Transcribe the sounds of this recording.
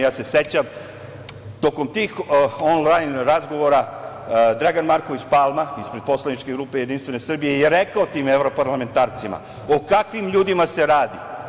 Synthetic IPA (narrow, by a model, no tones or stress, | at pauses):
jaːse̞se̞t͡ɕam | t̪o̞ko̞mt̪iːxonlajnɾazɡo̞ʋo̞ɾa | d̪ɾaɡanmaɾko̞ʋit͡ɕpalˠmaispɾed̪̚po̞slˠanit͡ʃke̞ɡɾuːpe̞je̞d̪inst̪ʋe̞nesr̩bije̞jeɾekaot̪iːmevɾo̞paɾlame̞nt̪aːɾt̪sima̰ | o̞kakʋimʎuːd̪imase̞ɾaːd̪ḭ